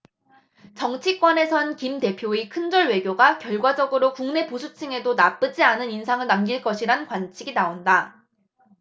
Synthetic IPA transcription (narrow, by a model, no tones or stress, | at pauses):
t͡ɕʌŋt͡ɕʰik͈wʌne̞sʰʌnkimte̞pʰjoikʰɯnd͡ʑʌɭwe̞ɡjoɡakjʌɭɡwad͡ʑʌɡɯɾokuŋne̞posʰut͡ɕʰiŋe̞donap͈ɯd͡ʑianɯninsʰaŋɯɭnamɡiɭk͈ʌɕʰiɾankwant͡ɕʰiɡinaonda